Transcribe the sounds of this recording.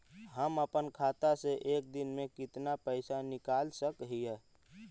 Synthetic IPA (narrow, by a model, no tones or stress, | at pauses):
ɦəməpənkʰaːt̪aseʔeːk̚d̪ɪnmẽkɪt̪napəɪsanɪkaːlsəkɦiɛː